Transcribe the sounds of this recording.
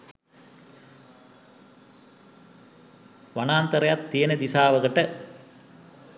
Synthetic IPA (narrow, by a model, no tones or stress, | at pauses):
ʋanaːnt̪əɾejat̪ːijənəd̪isaːʋəɡəʈə